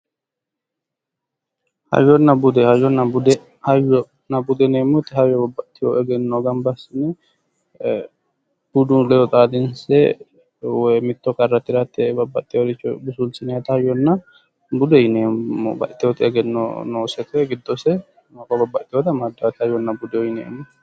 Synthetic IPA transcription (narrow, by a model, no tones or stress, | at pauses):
hɐ̰jːɔnːɐbʊd̪ɛhɐjɔnːɐbʊd̪ɛ | hɐjɔ | nɐbʊd̪ɛneːmːɔt̪ːɪhɐjːɔbɐbːɐt̪ːɪjo̰ʔɛɡɛnːoɡɐmbɐsɪnɛ | b̥ud̪unlɛjɔt̪ʼaːd̪ɪnsɛ | wɔjmɪt̪ːɔkʼɐrːɐt̪ːɪɾat̪ːɛbɐbːɐt̪ʼːɪjoɾɪt͡ʃːbʊsulsɪnɛɐt̪ɐhɐjɔnːɐ | bʊd̪ɛjɪnemːo̰bɐ̰ʔt̪ːɪwɔt̪ɪɛɡɛnːo̰noːsɛt̪ɛɛɡɪd̪ːɔsɛ | mɐkːɐbɐbːɐt̪ːɪjɔt̪ɐmɐd̪ːɐwɐt̪hɐjɔnːɐbʊd̪ɛɔjɪnɛ̰ːmːɔ